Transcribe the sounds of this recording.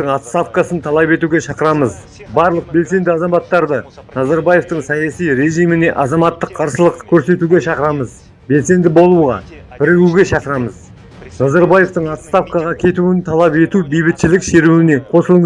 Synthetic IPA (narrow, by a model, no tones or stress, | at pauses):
əɴɑt̪st̪afkasənt̪ʰɑlˠɑpe̞t̪uɡʲe̞ʃɑqəɾɑməz | bɑɾlˠəq̚be̞lse̞nd̪ɪɑzɑmɑt̪ːɑɾd̪ənɑzɑɾbaje̞ft̪əɴsɑjɑsijɾe̞ʒijmɪne̞ʔɑzɑmɑt̪ːəqʰːɑɾsəlˠəqkʲʰɵɾse̞t̪uɡʲe̞ʃɑqəɾɑməz | be̞lse̞nd̪ɪbo̞lˠuʁɑ̰ | b̥ɪɾɡuɡʲe̞ʃɑqəɾɑməz | nɑzɑɾbaje̞ft̪əɴɑt̪st̪afkɑʁɑkʲʰe̞t̪uɪnt̪ʰɑlˠɑpe̞t̪ubejbɪt̪ʃɪlɪkʃe̞ɾuwɪne̞qʰo̞səlˠəɴ